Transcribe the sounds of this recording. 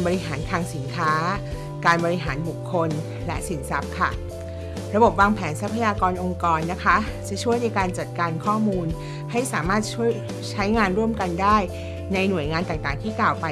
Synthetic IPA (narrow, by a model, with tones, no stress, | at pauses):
bɔː˧ɾi˧˦˥ɦaː˩˦nt̪ʰaː˧ŋsi˩˦nkʰaː˦˥ | kaː˧nbɔː˧ɾi˧˥ɦaː˩˦nbu˨˩kʰːo˧n | lɛ˦˥ʔsi˨˩˦nsa˦˥p̚kʰa˥˩ | ɾa˧bo˨˩p̬̚waː˧ŋpʰɛː˩˦nsa˦˥pʰːa˧jaː˧kɔː˧nʔo˧ŋkɔː˧nːa˦˥kʰa˦˥t͡ɕa˧˦t͡ɕʰu˥˩əjna˧jkaː˧nt͡ɕa˨˩t̪̚kaː˧nkʰɔː˥˩muː˧n | ha˥˩jsaː˩˦maː˥˩t̪̚t͡ɕʰu˥˩əj | t͡ɕʰa˦˥jŋaː˧nɾu˥˩əmka˧ndaː˥˩j | na˧jnu˨˩əjŋaː˧nt̪aː˨˩ŋt̪aː˨˩ŋt̪ʰiː˥˩klaː˨˩wpa˧